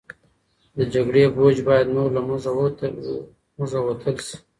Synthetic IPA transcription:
d̪əd͡ʒaɡɽebod͡ʒbɑjad̪moɾlamza | məzawat̪ʰəlʃi̥

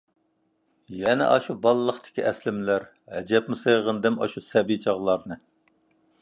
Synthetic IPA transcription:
jɛnɪ̰ʔɑʃubɑlˠːəχt̪ʰɪ̥kʲʰiʔɛslɪmlæɾ | hɛ̰d͡ʒɛpmɪsejʁənd̪ɨmɑ̰ʃusɛbijt͡ʃʰɑʁlˠɑɾnɨ

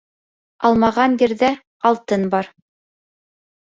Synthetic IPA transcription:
ɑlˠmɑʁɑnjɘ̆ɾðæ | ɑlˠt̪ɤnbɑɾ

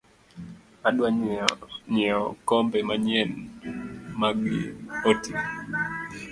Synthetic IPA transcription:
aɗwa | ɲɛɔkɔmbɛmaɲɛn | maɡḭoti

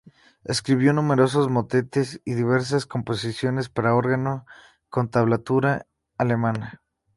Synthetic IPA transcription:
eskɾiβjo̞nume̞ɾo̞s̬o̞zmo̞t̪e̞t̪e̞siðiβ̞e̞ɾs̬asko̞mpo̞sisjo̞ne̞spaɾao̞ɾɣano̞ | ko̞nt̪aβ̞lat̪uɾaː | le̞mãna

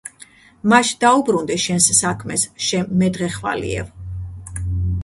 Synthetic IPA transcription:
maʃd̪aubɾund̪ɛʃɛnsːakʰmɛsʃɛmːɛd̪ʁɛχva̰lḭɛ̰v

